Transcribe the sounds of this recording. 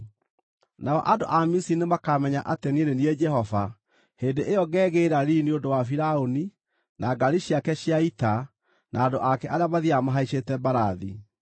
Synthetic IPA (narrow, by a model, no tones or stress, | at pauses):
naɔʔado̰ʔamisinemakamɛɲaʔatenenenied͡ʒɛhɔva | heːndeʔeɔɡɛːɣeɾaɾiniodowafiɾaoni | naɡaɾiɕiakɛɕiaita | nʔaːdoʔakɛʔaɾeamaðiamaɦaiɕetɛbaɾaðḭ